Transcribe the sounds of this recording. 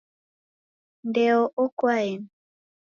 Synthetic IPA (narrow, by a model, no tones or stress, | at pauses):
ndɛɔʔɔkwaɛn